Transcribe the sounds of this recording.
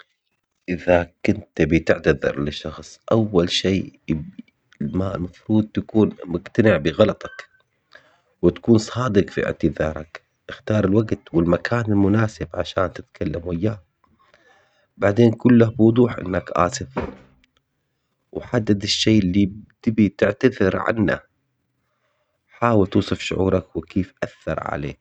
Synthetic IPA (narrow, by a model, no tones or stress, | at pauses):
ʔɪðakʊnt̪bit̪ɪʕt̪aðɑ̰ɾˤlɪʃːɑxsˤʔawːalʃiː | malmafɾuːd̪̚t̪akuːnmʊɡt̪anɪʕbɪɣɑlɑt̪ˤɑk | wɪt̪ḁkuːnsˤɑːd̪ɪqfiɪ̰ʕt̪ɪðɑːɾˤɑ̰k | ʔɪxt̪ɑːɾˤɪlwaɡt̪wɪlmakʰaːnɪlmʊnaːsɪbʕaʃaːnt̪ɪt̪kʰalːamwajːaːh | baʕd̪eːnkʊlːahbwʊd̪ˤuːħʔɪ̰nːakʔa̰ːsɪf | wħad̪ːad̪ɪʃːeːʔɪlːit̪ɪbit̪ɪʕt̪aðɪɾʕa̰nːa̰ | ħaːwɪlt̪uːsˤɨfʃʊʕṵːɾˤɑkwɪkeːfʔaθːɑ̰ɾˤʕa̰lḛː